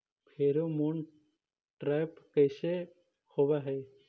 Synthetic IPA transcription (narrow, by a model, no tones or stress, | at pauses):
pʰeɾomon | ʈɾajpkəjse | hobaɦɛ